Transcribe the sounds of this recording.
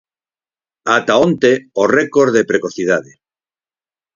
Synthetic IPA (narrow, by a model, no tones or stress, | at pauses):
at̪aont̪eorekoɾðepɾekoθið̞aðe